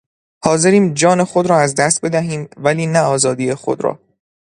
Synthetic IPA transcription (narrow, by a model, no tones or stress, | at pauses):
hɒːze̞ɾiːmd͡ʒɒːne̞xod̪ɾɒːæzd̪æst̪̚be̞d̪æɦiːmvæliːnæɒːzɒːd̪ijexo̞̰d̪ɾɒ̰ː